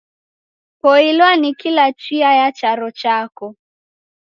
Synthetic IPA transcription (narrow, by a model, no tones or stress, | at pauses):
pɔilwanikilat͡ʃiajat͡ʃaɾɔt͡ʃakɔ